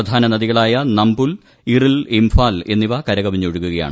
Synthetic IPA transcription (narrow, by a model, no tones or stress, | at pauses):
ɐd̪ʱaːnɐnɐðiɣɐɭaːjɐnɐmbul | irilimfaːle̞̰nːiʋɐkɐɾɐɣɐbiɲːuoɻukːuɣɐja̰ːɳɨ